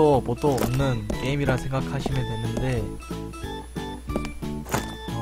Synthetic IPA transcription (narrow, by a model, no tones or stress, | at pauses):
opot͈oomnːɯnke̞imiɾasʰe̞ŋɡakʰaɕʰimjedwe̞nːɯnde̞